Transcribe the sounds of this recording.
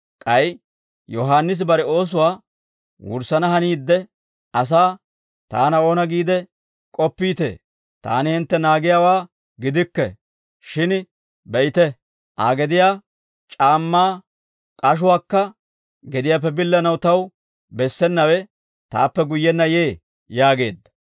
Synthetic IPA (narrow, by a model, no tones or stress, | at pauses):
kʼɐj | jɔɦaːnːɪs̬bɐɾɛo̞ːs̬ʊwaː | wʊ̰ɾsɐnɐhɐniːd̪ːɛ | ʔɐs̬aː | t̪a̰ːnɐo̞ːnɐɡiːd̪ɛ | kʼɔpːiːt̪ḛː | t̪a̰ːnɪhɪnt̪ːɛnaːɡɪjaːwaː | ɡɪd̪ɪkːɛ̰ | ʃɪn | bɛʔɪt̪ɛ | ʔa̰ːɡɛd̪ɪjaː | t͡ʃʼaːmːaː | kʼɐʃ̬ʊwaːkːɐ | ɡɛd̪ɪjaːp̬ːɛbɪlːɐnɐwt̪ɐw | bɛsːɛnːɐwɛ | t̪a̰ːpːɛɡʊjːɛnːɐjeː | jaːɡe̞̰ːd̪ːɐ̥